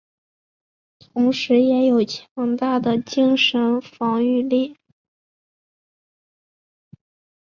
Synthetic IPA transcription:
t̪ʰʊ˧˥ŋʂɻ̩˧˥jɛ˧˥jo˨˩ʊt͡ɕʰjɑ˧˥ŋt̪a˥˩d̪ə˩t͡ɕi˥ŋʂə˧˥nfɑ˧˥ŋy˥˧li˥˩

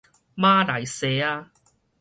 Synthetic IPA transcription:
maː˦˥la˨˩jseː˨˧aː˧

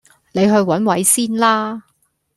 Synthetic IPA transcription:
ne˨˧jɦɵ˧ɥwɐ˨˥nwɐ˨˥jsiː˥nlaː˥

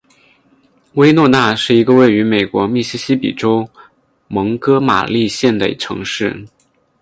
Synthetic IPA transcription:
we˥ɪnwɔ˥˧na˥˧ʂɻ̩˥˩i˧˥ɡə˧we˥˩ɪy˧˥me˨˩ɪkwɔ˧˥mi˥˩ɕi˥ɕi˥pḭ˨˩ʈ͡ʂo˥ʊ | mɤ˧˥ŋkɤ˥ma̰˨˩li˥˧ɕjɛ˥˩nt̪ə̰˨˩ḭ˥ʈ͡ʂʰɤ̰˧˥ŋʂɻ̩˥˩

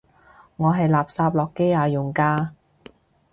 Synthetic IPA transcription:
ŋɔː˨˧ɦɐ˨jlaː˨p̚saː˧p̚lɔː˨˩kːe˥jaː˨˧jʊ˨˩ŋkaː˧

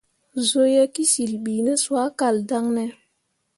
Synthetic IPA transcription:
zo˦je˦ki˦si˨lɓiː˨nɛ˦swa˦ka˨lda˦ŋnɛ˦

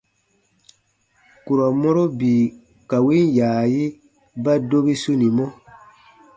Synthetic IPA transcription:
ku˨ɾɔ˨mɔ˦ɾo˦bi˨ | ka˨wi˦n˦jaː˨ji˦ | ba˦do˦bi˦su˦nĩ˨mɔ̃˦

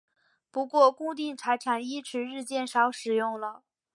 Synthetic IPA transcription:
pu˧˥kwɔ˥˧ku˥˧t̪̬i˥˩ŋʈ͡ʂʰa˧˥ɪʈ͡ʂʰa˨˧˩ŋi˥ʈ͡ʂʰɻ̩˧˥ɻɻ̩˥˧t͡ɕjɛ˥˩nʂɑ˧˥ʊʂɻ̩˨˩jʊ˥˩ŋlə˩

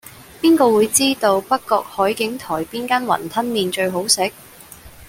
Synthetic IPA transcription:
piː˥nkɔː˧wuː˨˧jt͡siː˥t̪o˧wpɐ˥kːɔː˧k̚hɔː˨˥jkɪ˨˥ŋt̪ʰɔː˨˩jpiː˥nkaː˥nwɐ̰˨˩nt̪ʰɐ˥nmiː˨˧nt͡ʃɵ˧ɥɦo˨˥wsɪ˨˥k̚

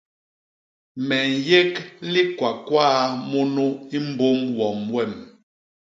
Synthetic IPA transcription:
mɛ˨n˨je˦kli˦kwa˨kwaː˦mo˦no˦i˦m̩˦bo˦mwɔ˨mwɛ˦˨m

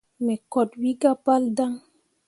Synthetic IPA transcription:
mɛ˨kɔ˨t̚wi˦ɡa˦pa˦lda˦ŋ

